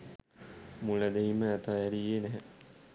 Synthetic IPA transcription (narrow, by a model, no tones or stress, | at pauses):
muləd̪eɦiməːt̪ajæɾijenæɦɛ